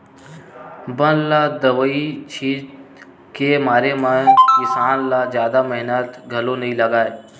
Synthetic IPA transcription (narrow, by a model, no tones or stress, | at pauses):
bənlad̪əʋəit͡ʃʰiːt̪ | kemaːɾemẽkɪsaːnlazjaːd̪amɛɦnət̪ɡʱɐlonɐɦĩlɐɡaːeː